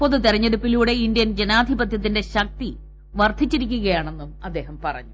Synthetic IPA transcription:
poðut̪irɐɲːeɽupːiluːɽe̞indjɐnd͡ʑenaːd̪ʱibɐt̪jɐt̪̬ːinde̞ɕɐk̚t̪i | ʋɐrt̪ːit͡ɕːiɾik̬ʲːuɣɐjaːɳe̞nːumɐd̪ːe̞ːɦɐmpɐrɐ̰ɲːu

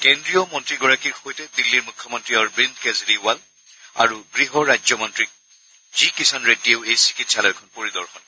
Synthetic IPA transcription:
kendɹijɔmɔntɹiɡɔɹakiɹxojtɛdilːiɹmukʰːjɔmɔntɹiɔɹbindkɛzɹiwal | a̰ɹuɡɹiɦɔɹajzɔmɔntɹik̚ | zikisʰanɹedieʊejsi̥kitsalɔjkʰɔnpoɹidɔɹxɔn

